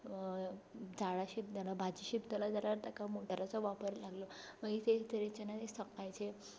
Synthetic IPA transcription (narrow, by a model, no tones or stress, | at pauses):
d͡zaɭaɕib̚d̪əlabʱad͡ʑiɕibd̪əlad͡zalaɾt̪akamoʈəɾat͡sɔʋapəɾlaɡlɔməɡit̪et̪əɾet͡ɕenat̪esəkajt͡se